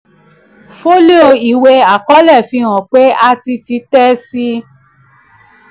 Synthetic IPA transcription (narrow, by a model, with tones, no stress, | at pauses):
fo˦le˦o˧i˨we˧a˨kɔ˦lɛ˦˨fĩ˧˦wɔ̃˨k͡pe˨˦a˦˧ti˧ti˧˦tɛ˦si˦